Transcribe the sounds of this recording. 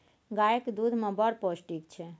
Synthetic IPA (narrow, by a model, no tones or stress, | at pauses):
ɡajekd̪ud̪ʱmẽbəɾposʈikt͡ʃʰɛ